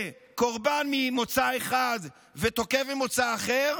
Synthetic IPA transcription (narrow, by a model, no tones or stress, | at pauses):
koʁbanmimot͡saeχad̪ | vet̪o̞kevemot͡saːχeʁ